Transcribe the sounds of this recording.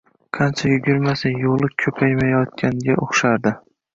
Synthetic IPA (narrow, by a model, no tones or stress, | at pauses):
qʰɑnt͡ʃʰajʊɡʲɪɾmasɪjolˠɪkʲʰɵpʰajmajɒt̪̚kʲʰanɡʲaʔoχʃaɾd̪ɪ